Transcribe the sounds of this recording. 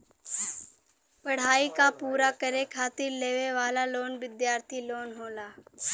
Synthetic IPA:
pɐɽ̤aːikapuːɾakəɾekʰaːt̪iːɾleːʋeʋaːlaloːnʋɪd̪jaːɾt̪ʰiloːnɦoːlaː

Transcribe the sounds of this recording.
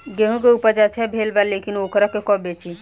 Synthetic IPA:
ɡeɦũkeupəɾd͡ʒat͡ʃʰɛbʱelbalekinokɾakekɔbet͡ʃʰi

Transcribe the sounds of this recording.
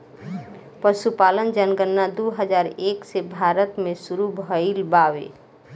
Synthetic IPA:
pəʃupaːlənd͡ʒənɡənːad̪uɦəd͡ʒaːɾeːksebʱaːɾət̪mẽsuɾubʱɦəɪlbawḛ

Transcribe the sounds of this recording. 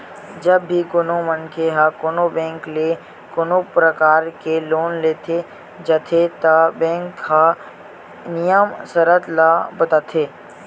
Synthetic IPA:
d͡ʒɐbːikʊnomənkʰeɦakonobẽːŋkle | konopɾəkaːɾkeloːnleːt̪ʰe | d͡ʒɐt̪ʰet̪ɐbẽːŋkha | nɪjəmsəɾət̪labɐt̪at̪ʰeː

